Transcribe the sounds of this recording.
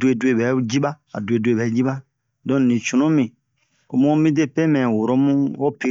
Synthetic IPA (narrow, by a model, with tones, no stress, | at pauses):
dwe˦˨dwe˦˨bɛ˨˦d͡ʒi˦ba˦ | a̰˨dwe˨du˦e˨bɛ˨˦d͡ʒi˦ba˦ | dɔ̃˦nĩ˨t͡ʃũ˨nũ˦mĩ˨ | ko˨mũ˦mĩ˦de˦pe˦mɛ̃˨wo˨ɾo˦mũ˦o˦pi˦